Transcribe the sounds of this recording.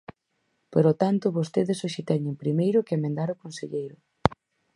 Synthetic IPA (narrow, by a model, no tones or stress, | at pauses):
poɾot̪ant̪ʊβost̪eðɪsoʃɪt̪ɛɲɪŋpɾimejɾʊkɪemẽnd̪aɾʊkonseʎejɾʊ